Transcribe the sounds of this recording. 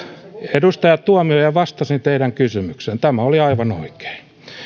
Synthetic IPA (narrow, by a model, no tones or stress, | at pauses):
edust̪ɑjɑt̪t̪uɑmiojɑʋɑst̪ɑsint̪eiɾæŋkysymyksent̪æmæoliɑiʋɑno̰ike̥i